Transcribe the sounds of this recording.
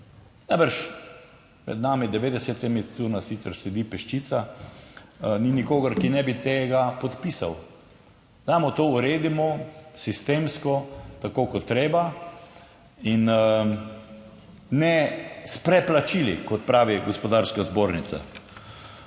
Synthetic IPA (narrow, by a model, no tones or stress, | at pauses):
najbəɾʃ | mɛ̰d̪naːmid̪ɛʋeːd̪ɛsɛt̪ɛmitt̪uɾnasit̪sɛɾsɛd̪ipɛʃt͡ʃit̪sa | ninikoːɡɐɾkinɛbit̪eːɡapɔt̪pisaw | zaːmɔt̪ouɾeːd̪imɔsist̪emskɔt̪akoːkɔt̪ːɾeːba | in | nɛspɾɛplat͡ʃilḭkɔt̪̚pɾaːʋiɡospɔd̪aɾskazboːɾnit̪sa̰